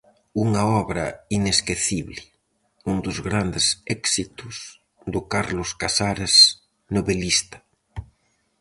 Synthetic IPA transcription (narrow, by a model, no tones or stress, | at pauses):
uŋɐɔβɾɐ̰ineskeθiβlɪ | und̪ʊzɣɾand̪ɪsɛksit̪ʊs | ðʊkaɾlʊskasaɾes | noβelist̪ɐ̥